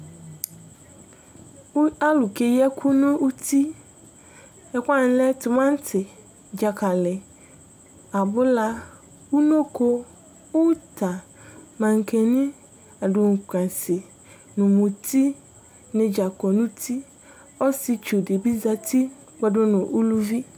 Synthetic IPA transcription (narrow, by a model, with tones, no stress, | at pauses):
a˦lʊ˨kʰe˨jɛ˦kʰʊ˦nʊ̃˦u˦tʰi˦ | ɛ˨kʷa˦n˨˦lɛ˦tʰʊ˨mã˦n˦tʰɪ˨ | d͡ʑa˨kʰa˨lɪ˨ | a˨bʊ˦la˦ | wʊ˦nõ˦kʰo˦ | wʊ˦tʰa˨ | mã˨ŋ˨kʰe˨nɪ̃˦ | a˨dʊ˨ŋ̩˨kʰʷã˨sɪ˨ | nʊ̃˨mʊ̃˨tʰi˦ | nɪ̃˨d͡ʑa˨kɔ˨nʊ̃˦tʰi˦ | ɔ˦sɪ˨t͡ʃu˨dɪ˨bi˦za˦tʰi˦ | ɡ͡bɛ˨dʊ˦nʊ̃˨ʔu˦lu˦vi˦